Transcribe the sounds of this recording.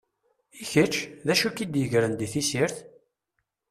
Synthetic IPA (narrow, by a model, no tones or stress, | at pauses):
içət͡ʃːðæʃukid̪jəʝɾənd̪iθisiɾθ